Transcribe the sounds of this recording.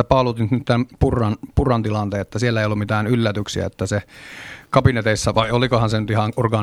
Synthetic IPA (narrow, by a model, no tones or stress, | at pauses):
æpɑlut̪int̪nyt̪t̪ænpurːˑɑnpurɑnt̪ilɑnt̪eːet̪ːæsielːæeijolːummit̪æːnylːæt̪yksiæ̰et̪ːæsekɑpinet̪eisːæʋɑiolikohɑnsenyt̪ihɑnurɡɑ